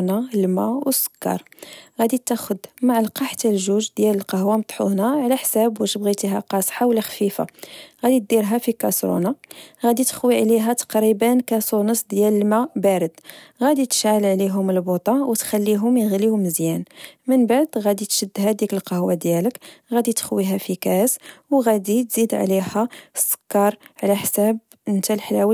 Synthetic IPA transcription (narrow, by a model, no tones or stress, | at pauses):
nalmæwəsə̥kːɑ̰ɾˤɣæd̪it̪ːæxʊd̪maʕlqɑħt̪ælʒuʒd̪jæləlqɑhwamt̪ˤħṵnæʕlæħsæbwəʃəbɣit̪iɦæ̰qɑsˤħawlːæxfifa̰ɣæd̪it̪̚d̪iɾɦæfikɑsɾṵnɑɣæd̪it̪ə̥xwiʕliɦæt̪ɑ̥qɾibænkæsunəsd̪jæləlmæbæɾəd̪̥ɣæd̪it̪ə̥ʃʕəlʕliɦʊməlbot̪ˤɑwt̪xælːiɦʊmjəɣlihʊməzjænmənbaʕd̪ɣæd̪it̪ʃəd̪ːhæd̪ikəlqɑhwad̪jæləkɣæd̪it̪ə̥xwiɦæfikæswɣæd̪it̪zid̪ʕ̰lihæsə̥kːɑɾˤʕlæħsæb̚ | ənt̪ælħlæwə